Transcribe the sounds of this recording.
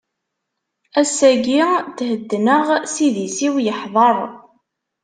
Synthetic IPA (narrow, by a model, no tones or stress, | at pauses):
æsæɡiθhəd̪ːnəʁsiðisiwjəħðˤəɾˤ